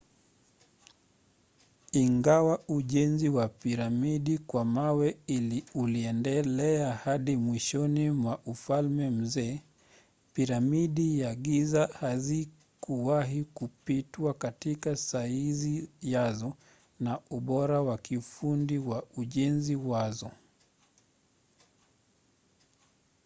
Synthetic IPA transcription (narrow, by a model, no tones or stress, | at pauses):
iŋɡawauʄɛnziwapiɾamiɗikwamawɛiliuliɛndɛlɛahaɗimwiʃɔnimwaʔufalmɛm̩zɛː | piɾamiɗiaɠizahazi | kuwaɦikupitwakatikasaizijazɔ | nauɓɔɾawakifundiwauʄɛnziwazɔ